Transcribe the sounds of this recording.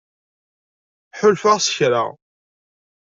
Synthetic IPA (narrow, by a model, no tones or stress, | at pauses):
ħʊlfaʁsə̥çɾa̰ʁ